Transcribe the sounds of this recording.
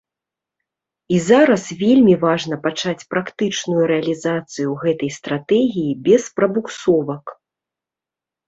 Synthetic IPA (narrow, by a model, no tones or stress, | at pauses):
izaɾɐsvʲelʲmʲivaʐn̪ɐpat͡ʂat͡sʲpɾakt̪ɨt͡ʂnujuɾɛɐlʲizat̪sɨjuɣɛt̪ɐjst̪ɾat̪ɛɣʲijibʲɛspɾɐbuksɔvɐk